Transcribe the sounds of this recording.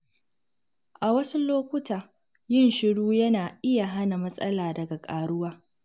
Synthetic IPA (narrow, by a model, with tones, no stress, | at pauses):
ʔa˨wɐ˦su˦loː˦kʷʊ˦taː˨ | jɪ˦nʃɪ˦ɽuː˦jɐ˦naː˨ʔɪ˦ja˨ɦa˦na˨mɐ˦sʼɐ˦laː˨dɐ˨ɡa˨kʼaː˨ɽʊ˦waː˦